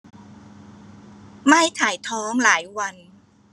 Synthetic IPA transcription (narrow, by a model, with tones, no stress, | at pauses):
ma˥˩jt̪ʰaː˨˩˦jt̪ʰɔː˦˥ŋlaː˩˦jwa˧n